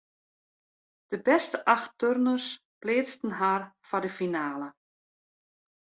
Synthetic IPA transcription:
d̥əbɛstəʔɑxtørnərs | pleːt͡stən̩ɦaːrfadəfinaːlə

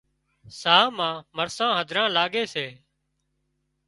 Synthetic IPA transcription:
saːmãːməɾsãːɦəd̪ʱɾãːlaːɠeːseː

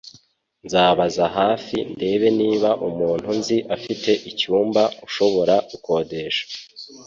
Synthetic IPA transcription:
nzaːβazaɦaːfinde̞βe̞niːβaʔumuːn̥hunziʔafite̞ʔicuːmbauʃo̞βo̞ɾaɡuko̞ːde̞ʃḁ

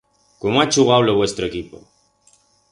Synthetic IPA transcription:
komoat͡ʃuɣawloβwest̪ɾoekipo̰

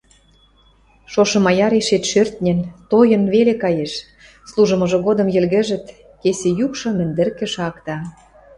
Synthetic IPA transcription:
ʃoʃɤ̆mɑjɑɾeʃet̪ʃørt̪̚nʲĕnt̪ojɤ̆nβelekɑjeʃ | slˠuʒə̆mɤ̆ʒɤ̆ɣod̪ɤ̆mjɘ̆lɣɘ̆ʒɘ̆t̪ | kesejukʃɤ̆mɘ̆nd̪ɘ̆rkĕʃɑkt̪ɑ

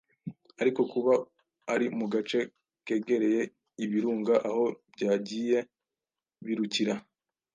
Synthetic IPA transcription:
aɾiko̞kuβa | aɾimuɡat͡ʃe̞ | ke̞ɡe̞ɾe̞je̞ | iβiɾuːŋɡaʔaho̞bɟaːɟiːje̞ | βiɾuciɾa

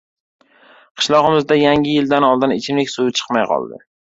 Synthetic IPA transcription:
qʰɨ̥ʃlˠɒʁɨmɪzd̪ajaŋʲɪjɪld̪anɒlˠd̪ɪnɪt͡ʃʰɪmekʲsujɪt͡ʃʰɨ̥qmajqʰɒ̰lˠd̪ɪ̰

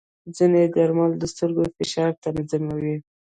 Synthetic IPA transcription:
d͡zined̪aɾmald̪əst̪əɾɡofɪʃɑɾt̪anazamawi

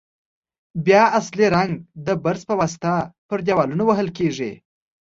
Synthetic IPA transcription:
bjɑasliɾaŋɡd̪əbaɾzpəwɑsɪ̥t̪apəɾd̪ʲjawɑlunowaɦəlkeʐḭ

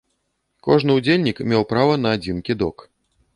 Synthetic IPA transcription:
kɔʐnɨud͡zʲelʲnʲikmʲewpɾavɐnɐːd͡zʲinkʲid̪ɔk

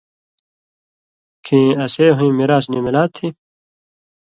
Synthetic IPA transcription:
kʰĩɐseːɦuĩːmiɾaːsnimilaːt̪ʰːĩː

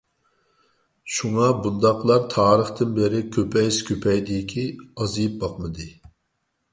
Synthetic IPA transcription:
ʃuŋɑbund̪ɑqlˠɑɾt̪ʰɑːɾəχt̪ɨnbɪɾɪkʲʰøpʰɛjskʲʰøpʰɛjd̪ikʲʰiɑzijip̚bɑqmɨd̪ɨ

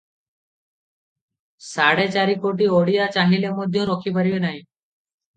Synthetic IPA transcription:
saɽet͡ʃaɾikoʈioɽijat͡ʃaɦilemɔd̪ʱjɔ̃ɾokʰipaɾibenaɦĩ

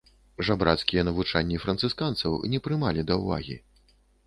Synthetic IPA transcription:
ʐabɾat̪skʲijɐnɐvut͡ʂanʲːifɾɐnt̪sɨskant̪sɐ̰wnʲɛpɾɨmalʲid̪ɐwva̰ɣʲḭ

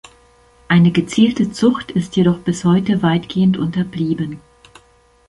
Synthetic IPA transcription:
ʔaɪnəɡət͡siːltət͡sʊxtʰɪstjeɾɔχb̥ɪshɔʏtəvaɪtɡ̥eːəntʔʊntɐbliːbən

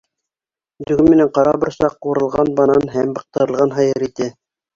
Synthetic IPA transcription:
d̪ɵ̆ɡɘmːɘ̆næɴqɑɾɑbɤ̆ɾsɑqːuɾɤ̆lˠʁɑnbɑnɑnɦæmbɤ̆q̚t̪ɤ̆ɾɤ̆lˠʁɑnɦɑjɤɾit̪æ

